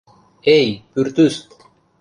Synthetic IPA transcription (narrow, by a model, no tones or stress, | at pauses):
ejpyɾt̪yst̪